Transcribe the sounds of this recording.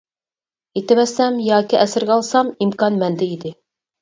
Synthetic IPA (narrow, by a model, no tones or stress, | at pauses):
it̪ɘmæsæmjɑkɘʔæsɘ̆ɾɡæɑlˠsɑmimkɑnmænd̪ɘid̪ɘ